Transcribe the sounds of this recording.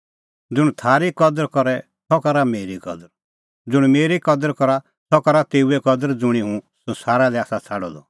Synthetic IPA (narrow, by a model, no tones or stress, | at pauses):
d͡zʊɽ̃t̪ʰaːɾikɔd̪əɾkɔɾɛ | sʰɔkɐɾameːɾikɔd̪əɾ | d͡zʊɽ̃meːɾikɔd̪əɾkɔɾa | t̪ɔkɐɾat̪eːuɛkɔd̪əɾd͡zʊɽ̃iɦũsɔ̃nsaːɾalɛaːsat͡sʰaɽɔ̰d̪ɔ̰